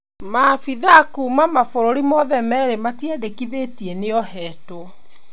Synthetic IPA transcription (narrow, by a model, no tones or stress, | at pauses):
mafiðakumamafoɾoɾimɔðɛmɛɾematjɛdekiðetiɛneɔɦɛto